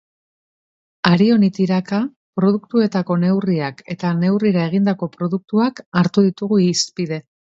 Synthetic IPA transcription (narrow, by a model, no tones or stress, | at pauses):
aɾio̞nit̪iɾaka | pɾo̞ð̞ukt̪ue̞t̪ako̞ne̞wriake̞t̪ane̞wriɾae̞ɣ̞ind̪ako̞pɾo̞ðuk̚t̪uakaɾt̪uðit̪uɣ̞uispiðe̞